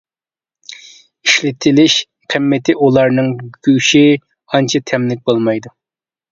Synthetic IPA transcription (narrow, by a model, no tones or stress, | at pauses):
iʃlɪt̪ʰɪlɪʃ | qʰɨmːɪt̪ʰɪʔulˠɑɾnɨŋɡ̥ʲyʃi | ɑnt͡ʃʰɑt̪ʰɛmlɪk̚ʲbolˠmɑjd̪u